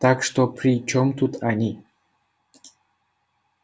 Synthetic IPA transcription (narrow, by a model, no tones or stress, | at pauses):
t̪akʂt̪oprʲit͡ʃomt̪ut̪anʲi